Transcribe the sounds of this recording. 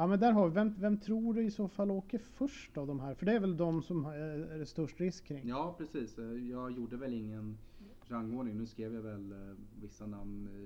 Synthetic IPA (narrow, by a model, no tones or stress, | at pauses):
jɑːmɛnd̪æːɾɦɑɾvɪvɛmvɛmt̪ʰɾuːɖɵɪsoːfalːoːkəɾfœʂʈavd̪ɔmɦæːɾfœɖɛːɾvɛld̪ɔmsɔmhst̪ɵʂʈɾɪskʰːɾɪŋːjɑːpʰɾɛsiːsjɑːɡjuːɖəvɛlɪŋːən | ɾaŋːoːɖɳɪŋnʉ̟ːskɾeːvjavɛlvɪsːanamn